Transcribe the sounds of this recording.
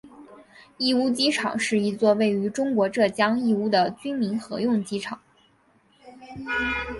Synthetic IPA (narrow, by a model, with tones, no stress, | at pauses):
i˥˧u˥˧t͡ɕi˥ʈ͡ʂʰɑ̰˨˩˦ŋʂɻ̩˥˩i˧˥t͡swɔ˥˧we˥˩ɪy˧˥ʈ͡ʂʊ˥ŋkwɔ˧˥ʈ͡ʂɤ˥˩t͡ɕjɑ˥ŋi˥˧u˥˩d̪ə˨˩t͡ɕy˥nmi˧˥nxɤ̰˧˥jʊ˥˩ŋt͡ɕi˥ʈ͡ʂʰɑ˨˩˦ŋ